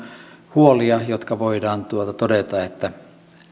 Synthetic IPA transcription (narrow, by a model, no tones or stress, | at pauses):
huoliɑjot̪kɑʋoidɑːnt̪uot̪ɑt̪odet̪ɑet̪ːæ